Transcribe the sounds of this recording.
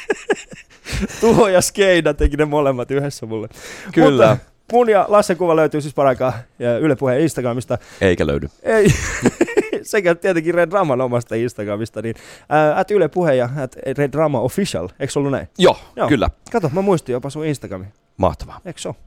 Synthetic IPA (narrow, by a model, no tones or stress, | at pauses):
t̪uhojɑskeinɑt̪ekinemolemːɑt̪yhesːæmulːekymlːæ | munjɑlɑsːekuʋɑløyt̪yːsispɑɾɑkɑːyløpuhejɑinst̪ɑɡ̥rɑmist̪ɑeikælø̰ynyei | sekæt̪t̪iet̪eŋkiredrɑmɑnomɑst̪ɑinst̪ɑɡrɑmist̪ɑninːæt̪ylepuhejɑæt̪redrɑmɑofiʃɑ̰leksolːunæ̰ijoːjoːkylːæ̰kɑt̪omæmuist̪ijopɑsuinst̪ɑɡɑmi | mɑ̰ht̪ɑ̥ʋɑekso